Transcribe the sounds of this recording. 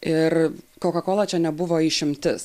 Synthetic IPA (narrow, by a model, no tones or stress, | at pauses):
ɪrkoːkɐkoːlˠɐt͡ʃʲɛnʲɛbʊʋoːiːʃʲɪmʲt̪ʲɪs